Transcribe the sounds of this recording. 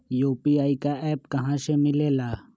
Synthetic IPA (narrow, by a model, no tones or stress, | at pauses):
joːpiaːikaʔɛːpkɐɦãːsemɪleːlaː